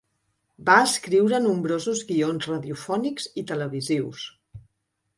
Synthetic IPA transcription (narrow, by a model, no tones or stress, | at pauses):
baəskɾiwɾənumbɾozuzɣionzrəðiufɔnikz̥it̪ələβiziws